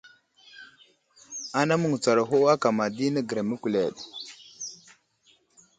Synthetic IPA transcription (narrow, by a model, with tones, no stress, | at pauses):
a˦na˦mu˨ŋ˨t͡sa˨ɾa˨ɦo˦a˦ka˨ma˨di˦nə˦ɡə˨ɾa˨mə˦kʷu˨le˨ɗ